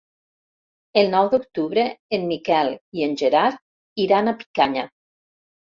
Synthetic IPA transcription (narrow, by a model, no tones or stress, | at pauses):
elˠnɔwðok̚t̪uβɾeːnmikɛlˠienʲʒeɾaɾ | iɾanapi̥kaɲa